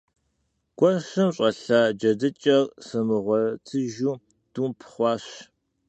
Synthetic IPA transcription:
ɡ̥ʷʼɔɕɨmɕʼɐɬaːd͡ʒɐdɨt͡ʃʼɐrsɨmɨʁʷɔtʰɨʒuː | d̥uːpʰχʷɑːɕ

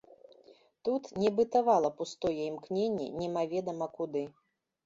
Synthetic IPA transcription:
t̪ut̪nʲɛbɨt̪avalˠɐpust̪ɔjɛimknʲenʲːɛ̰nʲɛmavʲɛd̪ɐmɐkud̪ɨ

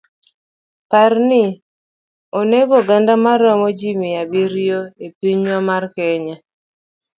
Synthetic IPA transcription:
parnɪ | oneɡɔɡandamaɾɔmɔd͡ʒimɪjabiɾjoepiɲwamarkɛɲa

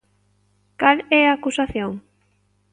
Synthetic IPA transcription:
kalɛaːkusaθjõŋ

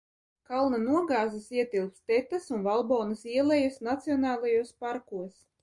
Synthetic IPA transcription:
kalˠnanuɔɡɑːzɨsiɛt̪ilˠpst̪ɛt̪asunvalˠbɔːnasiɛlˠɛjusnat̪siɔnɑːlˠajuɔspaɾkuɔs

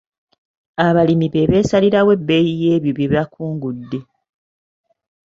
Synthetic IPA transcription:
aβalimiβe̞βe̞ːsaliɾawe̞bːe̞jije̞ːβjoβjeβjakuːŋɡudːe̞

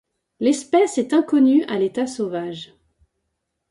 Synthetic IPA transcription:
lɛspɛsɛt̪ɛ̃kɔnya̰let̪asovaʒ

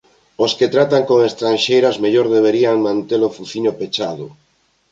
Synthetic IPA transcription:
osket̪ɾat̪aŋkoŋest̪ɾanʃejɾazmeʎoɾðeβeɾiaŋmãnt̪elofuθiɲopet͡ʃaðʊ

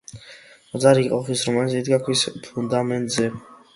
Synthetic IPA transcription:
d̪zaɾiqʼɔχisɾɔmanisid̪ɡakʰwispʰund̪amɛnt̪ʼzɛ

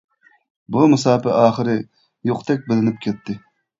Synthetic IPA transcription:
bumɨsɑːpɪʔɑːχəɾɪ | joqt̪ʰɛk̬̚ʲbɪlɪnɪp̚kʲʰɛt̪ʰːɪ

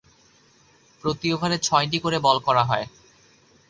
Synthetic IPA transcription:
pɾot̪iobʱaɾet͡ɕʰɔeʈ̬ikoɾebɔlkɔɾaɦɔe

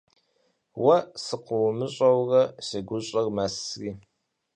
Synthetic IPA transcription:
wɐsɨqʷʊwmɨɕʼɐwrɐsɐɡʷʊɕʼɐrmasriː

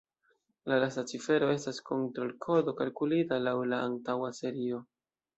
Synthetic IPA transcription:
lalasat͡sife̞ɾo̞e̞stasko̞ntɾo̞lkʰo̞do̞kalkulitalawlaantawase̞ɾio̞

